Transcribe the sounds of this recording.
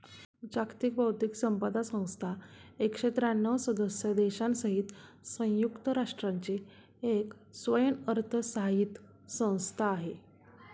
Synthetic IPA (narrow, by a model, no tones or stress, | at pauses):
d͡ʑakt̪ik̚bəwt̪iksəmpəd̪asə̃w̃st̪ʰaekʂet̪ɾanːəʋsəd̪əsjəd̪eɕansəɦit̪sə̃j̃jukt̪əɾaʂʈɾaɲt͡ɕi | ek | sʋəjənəɾt̪ʰəsəɦaiːt̪ | sə̃w̃st̪ʰaːɦe